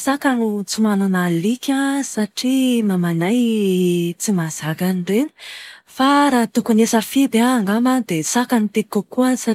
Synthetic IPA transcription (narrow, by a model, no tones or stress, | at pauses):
sakanit͡sumananalikʲasaʈ͡ʂimamanaj | t͡simaz̥akaniɖ͡ʐeni̥faɾat̪ukunesəfib̪aŋɡamad̪esakanit̪ekokuəsa